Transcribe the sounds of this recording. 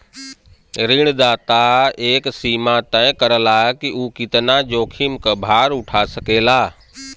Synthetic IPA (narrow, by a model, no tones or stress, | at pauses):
ɾiɽ̃d̪aːt̪aeːksiːmat̪ãːɪ̃kəɾəlaːkiʔuːkɪt̪ənad͡ʒoːkʰimkəbʱaːɾʊʈʰasɐkeːlaː